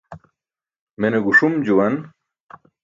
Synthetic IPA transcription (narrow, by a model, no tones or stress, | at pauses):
meneɡuʂumd͡ʑuwɐn